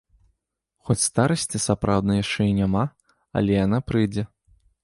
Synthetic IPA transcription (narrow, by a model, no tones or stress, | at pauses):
xɔt͡sʲst̪aɾɐsʲt͡sʲisapɾawd̪nɐjaʂt͡ʂɛinʲama | ɐ̰lʲɛjanapɾɨjd͡zʲɛ